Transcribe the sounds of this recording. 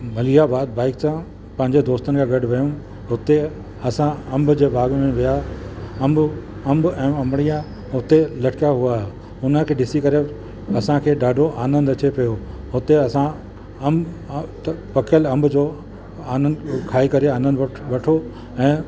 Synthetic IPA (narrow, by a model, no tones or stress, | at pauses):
mɐlijabaːd̪̚baːɪksã | pɐ̃ɦɪ̃ɲd͡ʑed̪oːst̪ənɪ̆kʰãɡɐɖʱʋɐjũ | ɦʊt̪e | ɐsãɐ̃mbʊd͡ʑeːbaːɡmẽʋijaɐ̃mbʊ | ɐ̃mbɛ̃ːɐ̃mɽ̃ijã | ɦʊt̪elɐʈʰɪ̥kaɦuaːe | ʊnəkʰeːɖɪsikɐɾe | ɐsãkʰeːɗaːɖʱoʔaːnə̃nd̪ɐt͡ɕepɐjo | ɦʊt̪eɐsã | ɐmb | t̪ɐpɐkʰəlɐ̃mbʱʊd͡ʑoː | aːnə̃nd̪kʰaːikɐɾeaːnə̃nd̪ʋɐʈʰo | ɛ̃ː